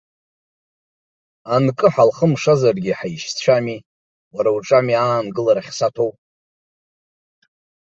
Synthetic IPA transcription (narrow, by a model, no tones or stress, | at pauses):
ankʼɨħalχəmʂazarɡʲiħaiʃt͡ɕʷʰami | waɾawʈ͡ʂʼamiaːnɡɨlaɾaχʲsatʰowpʼ